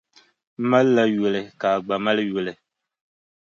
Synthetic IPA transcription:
ma˦lːa˦ɥʊ˨lɪ˨ka˨ɡ͡ba˨ma˦lɨ˦jʊ˨lɪ˨

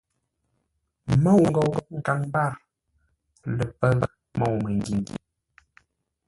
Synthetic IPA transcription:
mɔ˦˨wŋ̩˨ɡɔ˨wɡɔ˦˨ŋ̩˨ka˨ŋba˦˨ɾ | lə˨pə˦v | mɔ˨wmə˨ŋ˨ɡi˨ŋɡḭ˨

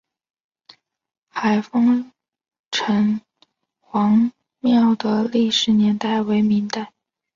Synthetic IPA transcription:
xa˨˩ɪfɑ˥ŋ | ʈ͡ʂʰɤ˧˥ŋ | xwɑ˧˥ŋ | mjɑ˥˩ʊd̪ə˩li˥˩ʂɻ̩˧˥njɛ˧˥nt̪a˥˩ɪwe˧˥ɪmi˧˥ŋt̪a˥˩ɪ

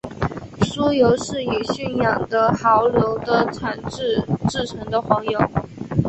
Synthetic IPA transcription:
su˥jo˧˥ʊʂɻ̩˥˩i˨˩ɕy˥˩njɑ˨˩ŋd̪ə˦xɑ˧˥ʊljo˧˥ʊd̪ə˧ʈ͡ʂʰwa˨˩nʈ͡ʂɻ̩˥˧ʈ͡ʂɻ̩˥˩ʈ͡ʂʰɤ˧˥ŋd̪ə˧xwɑ˧˥ŋjo˨˩˦ʊ

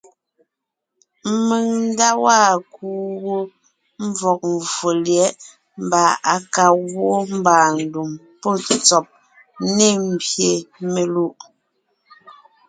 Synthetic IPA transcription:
m˦me˨ŋn̩˦da˦waː˦˨kuː˦ɣo˦ | m˦vɔ˨k̚ɱ˨vo˨ljɛ˨˦ʔ | m˦ba˨a˨ka˨ɣwo˦m˦baː˨n̩˨du˨m | pɔ˦˨t͡sɔ˨p̚ | ne˦˨m̩˦bje˨me˨lu˦˨ʔ

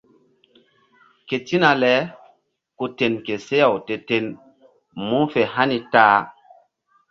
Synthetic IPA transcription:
ke˨ti˦na˨lɛ˨˦ | ku˨te˨nke˨se˦ja˨wte˨te˨n | mu˦fe˨ha˦ni˨taː˦

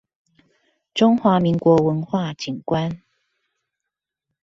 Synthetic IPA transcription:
ʈ͡ʂʊ˥ŋxwa˧˥˦mi˨˥ŋkwɔ˨˧˥wə˧˦nxwa˥˩t͡ɕi˨˩ŋkwa˦n

